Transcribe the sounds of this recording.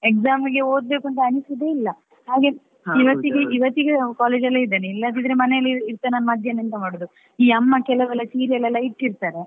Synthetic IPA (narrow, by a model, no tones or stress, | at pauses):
ekzaːmiɡe̞o̞ːd̪beːkuɐɳʈ̪ɐɐnisid̪e̞ːilːɐ | haːɡe | iʋɐt̪ːiɡeiʋɐt̪ːiɡekaːleːd͡ʒɐlːeid̪eːneilːɐɐnt̪̬id̪ɐɾemɐnɛjɐlːiiɾt̪ːɐnɐnːɐmɐd̪ʱjɐnint̪ɐmaːɽod̪u | iːɐmːɐkɛlɐʋɛlːɐsiːɾijɐlːɛlːɐiʈːiɾt̪aːɾe̞